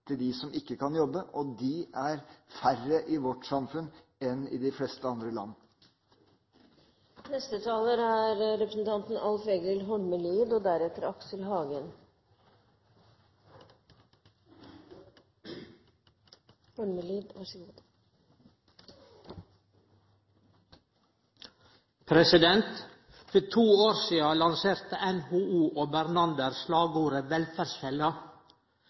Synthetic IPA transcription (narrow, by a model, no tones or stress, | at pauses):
t̪ʰɪld̪ɪsɔmʔɪkːəkʰɑnjɔbːəʔɔd̪ɪʔæɾfærəʔɪʋɔʈsɑmfʉn | ɛnɪ̰d̪ɪflɛst̪əɑnd̪ɾəlɑ̰nːə | nɛst̪ət̪ʰɑːləɾæɾɾɛpɾəsn̩t̪ʰɑnt̪n̩ɑlfeːɡɪlɦɔɳməliːd̪ɔd̪æɾɛt̪əɾɑksəlɦɑːɡən | hɔɳməliːd̪æ | pʰɾɛsɪd̪ɛnt̪ | fɔt̪ʰuːoːɾsiːɑlɑnseːɾt̪əʔɛnhuːʔuːʔoːbæɾnɑnd̪əɾslɑːɡuːɾəʋɛlfæɾsçɛlɑ